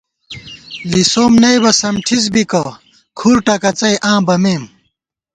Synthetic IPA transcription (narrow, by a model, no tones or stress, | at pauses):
lisoːmnɐjbɐsɐmʈʰiz̬bikɐ | kʰuɾʈɐkɐt͡sɐjʔãːbɐmeːm